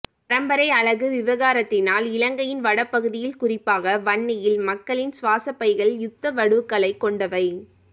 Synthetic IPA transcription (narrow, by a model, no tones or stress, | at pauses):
pɐɾɐmbɐɾɐɪɐɭɐɣɯʋɪʋɐɣaːɾɐt̪ːɪnaːlɪlɐŋɡɐjɪnʋɐɽɐpːɐɣɯðɪjɪlkʊrɪpːaːɣɐʋɐɳːɪjɪlmɐkːɐɭɪnsʋaːsɐpːɐɪɣɐɭjʊt̪ːɐʋɐɽɯɯkːɐɭɐɪkːɔɳɖɐʋɐɪ